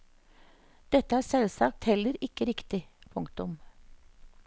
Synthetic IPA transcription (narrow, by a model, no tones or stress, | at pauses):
d̪̥ɛt̪əæːsɛlsɑk̚t̪hɛləɾɪkəɾɪkt̪ɪpʰʊŋkt̪ʊm